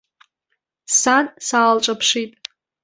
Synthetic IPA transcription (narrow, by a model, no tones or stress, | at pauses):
sansaːlʈ͡ʂʷʼapʰʂitʼ